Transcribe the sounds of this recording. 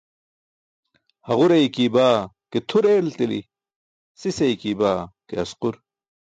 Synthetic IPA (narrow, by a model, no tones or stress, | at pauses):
hɐʁuɾɐjkiːbaː | ket̪ʰuɾeːlt̪ilḭ | sisɐjkiːbaːkeɐsquɾ